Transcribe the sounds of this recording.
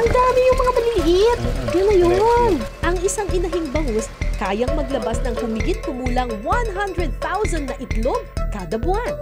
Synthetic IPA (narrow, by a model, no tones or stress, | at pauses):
ʔɐŋd̪aːmɪjʊŋmɐŋamɐliːɦɪt̪̚ɡɐlɐjonʔɐŋʔɪsaŋʔɪnɐɦiŋbɐhoskaːjɐŋmɐɡlɐbasnɐŋhʊmɪɡɪt̪̚kʊmuːlɐŋwanɦand̪ɹɛd̪̚θawzɐnd̪nɐʔɪt̪lob̚kaːd̪ɐbʊhan